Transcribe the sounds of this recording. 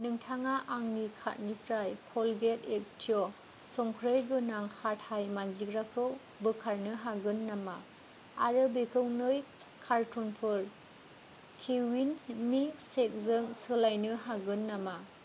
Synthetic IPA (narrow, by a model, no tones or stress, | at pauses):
nɯŋtʰaŋaʔaŋnikʰa̰t̚nipʰɾajkʰɔlɡetek̚tʰiɔ | sɔŋkʰɾejɡɯnaŋhat̚hajmanzikɾakʰɯw | bɯkʰaɾnɯɦaɡɯnːama | aɾɯbekʰɯwnɯj | kʰaɾtʰɔnpʰɔɾ | kʰewinmik̚sek̚zɯŋsɯlajnɯɦaɡɯnːama